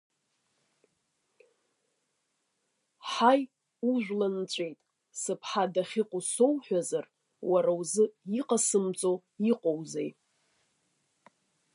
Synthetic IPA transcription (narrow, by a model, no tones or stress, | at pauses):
ħaj | uʒᶣʷlant͡ɕʷʼe̞jtʼ | sɨpʰħadaχʲiqʷʼʊsowħʷᶣazar | waɾawzɨiqʼasɨmt͡sʼo̞ | iqʼowzej